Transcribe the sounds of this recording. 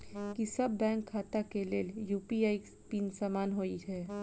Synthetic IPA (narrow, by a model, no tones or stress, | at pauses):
kisɐbːɛ̃ːŋkʰːaːt̪akeleːljuːpiaːispiːnsaːmaːnɦoiɦɛː